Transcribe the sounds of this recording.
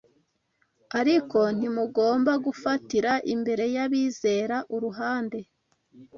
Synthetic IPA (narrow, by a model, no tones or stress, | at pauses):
aɾiko̞n̥imuɡo̞ːmbaɡufatiɾaʔimbe̞ɾe̞jaβiːze̞ːɾaʔuɾuɦaːnde̞